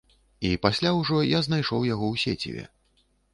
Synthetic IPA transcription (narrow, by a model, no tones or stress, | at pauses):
ipasʲlʲawʐɔjaznajʂɔwjaɣɔwsʲḛt͡sʲḭvʲɛ̰